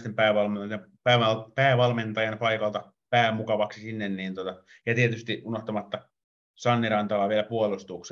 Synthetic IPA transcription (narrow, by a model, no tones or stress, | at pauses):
st̪empæːʋɑlmeoɑ | pæːʋɑlpæːʋɑlment̪ɑjɑnpɑikɑlt̪ɑ | pæːmukɑʋɑksisinːenniːnt̪ot̪ɑ | jɑt̪iet̪yst̪iʔunoht̪omɑt̪ːɑ | sɑnːirɑnt̪ɑlɑːʋielæpuolust̪uks